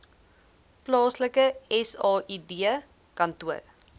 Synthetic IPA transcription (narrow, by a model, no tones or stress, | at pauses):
plɑːsləkəɛsɑːʔidiə | kɐntuə̰ɾ